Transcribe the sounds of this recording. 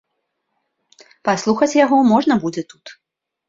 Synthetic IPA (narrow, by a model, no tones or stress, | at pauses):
paslˠuxɐt͡sʲjaɣɔmɔʐnɐbud͡zʲɛt̪ut̪